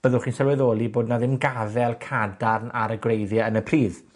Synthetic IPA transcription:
b̥əðʊχiːnsɛlwɛðoːlˠiboːdnaðɪmɡavɛlˠkʰadarnʔa̰ɾəɡrejðjaənəpʰriːð

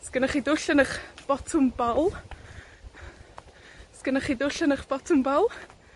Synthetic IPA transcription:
skənaχidʊɬənəχb̥ɔtʰʊmbɔlˠ | skənaχiːdʊɬənəχb̥ɔtʰʊmbɔlˠ

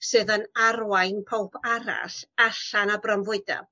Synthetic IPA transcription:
sɨːðənarwajnpʰowpʰaɾa̰saɬanabrɔmvʊɨda̰

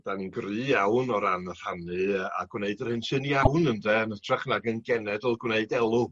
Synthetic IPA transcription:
d̥aniɡrɨːjawnɔɾanər̥hanɨa̰ɡwneɨdərhɨnʃɨniawnəndɛənətʰraχnaɡənɡɛnɛdɔlˠɡwneɨdɛlˠʊ

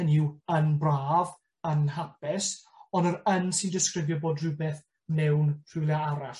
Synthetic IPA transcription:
əniwənbraːv | ənɦapɛs | ɔndəɾənsɪndɪskrɪvjɔboːdrɨbɛːθ | mɛwnr̥ɪwlˠjaaɾaɬ

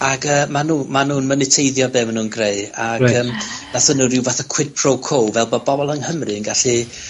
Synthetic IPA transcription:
aɡəːmanuːmanuːnmənɪtʰeɨðjɔbɛmnuːnɡreɨaɡəːmnaθənuɾɪwvaθakʰw̥ɪd̚pʰrowkʰowvɛlˠbɔbɔbɔlˠənhəmrɨəŋɡaɬi

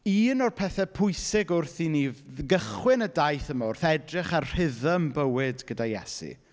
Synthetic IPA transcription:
iːnɔrpʰɛθɛpʰʊjsɪɡʊrθinivɡəχwɪnədajθəmaʊrθɛdrɪχarr̥ɪðəmbəwɪdɡ̥ədajɛ̰sḭ

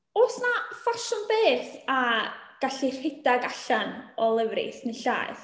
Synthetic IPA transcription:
ɔːsnafaʃʊnbeːθaɡ̥aɬir̥hɪdaɡaɬanɔlˠəvrḭsniɬa̰ːθ

